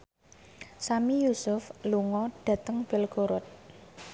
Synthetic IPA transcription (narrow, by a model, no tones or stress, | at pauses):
samijusʊfluŋɔɖ̥ä̤t̪əŋb̥ɪlɡ̥oɾʊt̪̚